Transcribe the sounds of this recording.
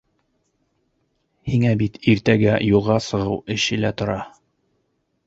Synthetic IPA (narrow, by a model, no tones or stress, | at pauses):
hiŋæbit̪iɾt̪æɡæjulˠʁɑsɤ̆ʁɤwɘ̆ɕɘlæt̪ŏɾɑ